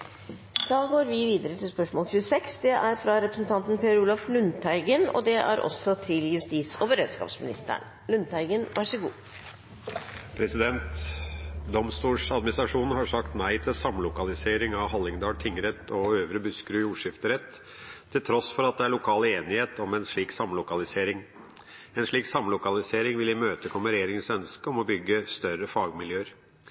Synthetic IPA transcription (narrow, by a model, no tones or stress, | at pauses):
d̪̥ɑːɡoːɾʋɪʋiːd̪əɾət̪ʰɪlspœʂmoːlɕʉːsɛksd̪ɛʔæɾfɾɑɾɛpɾəsən̩t̪ʰɑnt̪npʰeːɾuːlɑflʉnt̪ʰæɪɡənɔ̰d̪ɛʔæ̰ɾʔɔ̰sːɔt̪ʰɪljʉst̪iːt̪sɔbəɾøːd̪skɑ̰ːpsmɪnɪ̰st̪ə̰ɳ | lʉnt̪ʰæɪɡənʋɑʂəɡṵː | pʰɾɛsɪd̪ɛnt̪ | d̪ɔmst̪uːʂɑd̪mɪnɪsɾɑʂuːn̩hɑʂɑkt̪næɪt̪ʰɪlsɑmlʊkɑlɪseːɾɪŋɑʋɦɑlːɪŋd̪ɑːɖt̪ʰɪŋːəɾɛt̪ːɔøːʋɾəbʉskɾʉːjuːʂɪft̪əɾɛt̪ʰː | ɪlt̪ʰɾɔsfɔɾɑt̪̚d̪ɛæɭʊkʰɑːləeːnɪheːt̪ɔmɛnʂɭiːksɑmlʊkɑlɪseːɾɪŋ | ɛnʂɭiːksɑmlʊkɑlɪseːɾɪŋʋɪlɪmøːt̪əkʰɔməɾɛjeːɾɪŋənsœnskəɔmɔbʏɡːəst̪œɾəfɑːɡmɪljøːəɾ